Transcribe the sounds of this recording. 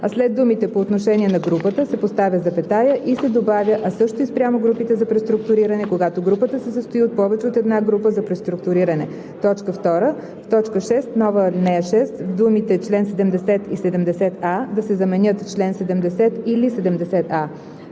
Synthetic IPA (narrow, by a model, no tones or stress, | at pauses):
ɐslɛd̪̚d̪umit̪ɛpoːt̪noʃɛniɛnɐɡɾupət̪əsɛpost̪avʲjəzɐpɛt̪ajəʔisɛd̪obavʲəʔɐsɤʃt̪oispɾʲjamoɡɾupit̪ɛzɐpɾɛst̪ɾʊk̚t̪ʊɾiɾənɛkoɡat̪oɡɾupət̪əsɛsəst̪oiot̪̚pɔvɛt͡ʃɛot̪ɛd̪naɡɾupəzɐpɾɛst̪ɾukt̪ʊɾiɾənɛ | t̪ɔt͡ʃkəft̪ɔɾə | ft̪ɔt͡ʃkəʃɛst̪nɔvənɛʃɛst̪vd̪umit̪ɛt͡ʃlɛnsɛd̪ɛmd̪ɛsɛt̪isɛd̪ɛmd̪ɛsɛt̪ad̪ɐsɛzɐmɛnʲɤt̪t͡ʃlɛnsɛd̪ɛmd̪ɛsɛt̪ilisɛd̪ɛmd̪ɛsɛt̪a